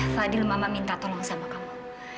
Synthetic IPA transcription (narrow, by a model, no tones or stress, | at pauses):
fadɪlmamamint̪at̪ɔlamasamakamu